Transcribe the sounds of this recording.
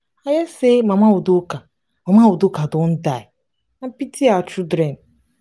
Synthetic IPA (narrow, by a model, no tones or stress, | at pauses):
ajasemamaodoka | mamaodokadʊn̩daɪ | pitʰiat͡ʃudɾem̩